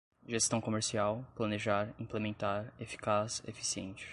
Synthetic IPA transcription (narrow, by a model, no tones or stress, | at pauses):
ʒest̪ɐ̃w̃komeɾsiawplɐneʒaɾĩplemẽnt̪aɾefi̥kasḛfi̥siḛ̃nt͡ʃɪ̥